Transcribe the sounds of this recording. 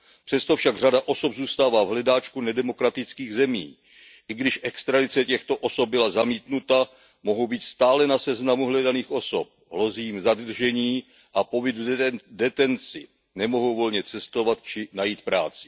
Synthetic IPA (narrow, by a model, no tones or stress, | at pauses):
pr̝̥ɛst̪o̞fʃaɡr̝adaʔo̞so̞bzuːst̪aːvaːvɦlɛdaːt͡ʃkunɛdɛmo̞kɾat̪ɪt͡skiːɣzɛmḭː | ʔɪɡdɪʃʔɛkst̪ɾadɪt͡sɛcɛxt̪o̞ʔo̞so̞p̚bɪlazamiːt̪nut̪a | mo̞ɦowbiːt̪st̪aːlɛnasɛznamuɦlɛdaniːxʔo̞sop̚ɦlo̞ziːmzad̪r̩ʒɛɲiː | ʔapo̞bɪd̪udɛt̪ɛnt͡sɪ | nɛmo̞ɦo̞wvo̞lɲɛt͡sɛst̪o̞vat̪t͡ʃɪnajiːt̪̚pɾaːt͡sɪ̥